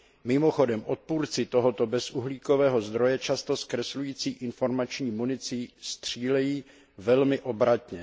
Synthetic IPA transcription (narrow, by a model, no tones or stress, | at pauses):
mɪmo̞xo̞dɛmʔo̞t̪̚puːɾt͡sɪt̪o̞ɦot̪o̞bɛsʔuɦliːko̞vɛːɦo̞zd̪ɾo̞jɛt͡ʃast̪o̞skɾɛslujiːt͡siːʔɪnfo̞ɾmat͡ʃɲiːmunɪt͡sɪst̪r̝̥iːlɛjiː | vɛlmɪʔo̞bɾat̪ɲɛ